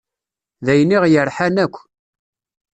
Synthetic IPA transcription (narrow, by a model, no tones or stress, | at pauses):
ðæjniʁjəɾˤħænækʷː